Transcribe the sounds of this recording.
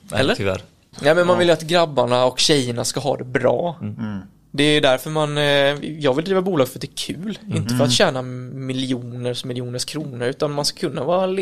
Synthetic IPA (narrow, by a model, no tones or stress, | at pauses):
ɛ̰ːəæ̰ɾ | nɛɪmɛnmanvɪljat̪ɡɾabːaɳaɔkɕɛjːəɳaskaɦɑ̰ːd̪ɛbɾɑ̰ː | d̪ɛæjɵd̪æɾfœɾmanjɑːɡvɪld̪ɾiːvabuːlɑɡfœɾat̪d̪ɛːkʰʉ̟ːlɪnt̪əfœɾat̪ɕæːnamɪlɪuːnəʂmɪlːjuːnəʂkʰɾuːnəɾʉ̟ːt̪anmanskḁkʰɵnːavɑːɾal